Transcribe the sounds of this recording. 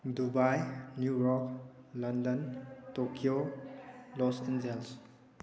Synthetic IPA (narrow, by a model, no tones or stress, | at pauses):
dubajnjuɾɔk̚landəntokʰio | lɔsend͡ʒels